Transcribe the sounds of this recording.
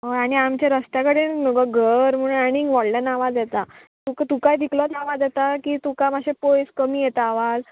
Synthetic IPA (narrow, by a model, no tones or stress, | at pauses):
ɦoaɽ̃iamt͡ɕjaɾəst̪jakəɽenməɡəɡʱəɾm̤əɽ̃unaniŋɡʋɔɽlənaʋad͡zjɛt̪a | t̪ukt̪ukajd̪ʱiklɔt̪ʰaʋad͡zjɛt̪akiːt̪ukamaɕepojskəmiːjet̪aʋad͡z